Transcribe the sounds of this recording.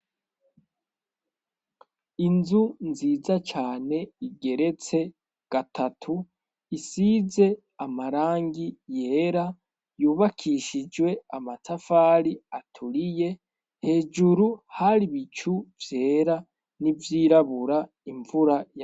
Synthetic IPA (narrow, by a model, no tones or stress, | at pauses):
inzunziːzat͡ʃaːne̞iɡe̞ɾe̞t͡se̞ | ɡ̥atʰatʰu | isiːze̞ | amaɾaːŋɡije̞ːɾa | juːβakʰiʃid͡ʒwe̞amatafaːɾiatʰuɾije̞ | he̞ːd͡ʒuɾuhaɾiβit͡ʃuvje̞ːɾa | nivjiːɾaβuɾa | iɱvuɾaja